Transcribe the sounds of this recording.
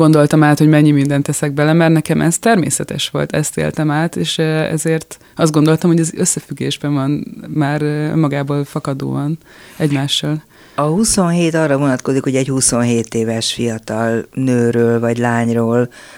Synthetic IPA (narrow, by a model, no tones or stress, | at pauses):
ɡo̞nd̪o̞lt̪ɒmaːt̪ho̞ɟmɛɲːimind̪ɛnt̪ːɛsɛɡ̚bɛlɛmɛrnɛkɛmʔɛst̪ɛrmḛːsɛt̪ɛʃʋo̞̰lt̪ɛ̰st̪ḛːlt̪ɛmaːt̪eːʃɛ̰zeːrt̪ | ɒszd̪ɡo̞nd̪o̞lt̪ɒmhoɟɛzøsːɛfyɡːeːʒbɛɱvɒnmaːrmːɒɡaːboːlfɒkɒd̪o̰ːɒn | ɛɟmaːʃːɒːl | ɒhuso̞nɦeːt̪ɒrːɒvo̞nɒt̪ko̞zikho̞ɟɛchuso̞nɦeːt̪eːvɛʃfijɒt̪ɒlnøːɾøːlvɒɟlaːɲroːl